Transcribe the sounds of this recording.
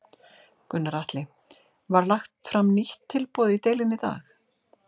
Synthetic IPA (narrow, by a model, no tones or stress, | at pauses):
kʏnːaɾaht̪lɪ | vaɾlaxt̪fɾamniht̪ʰːɪlpɔːðɪit̪eːjlɪnːɪt̪a̰ːx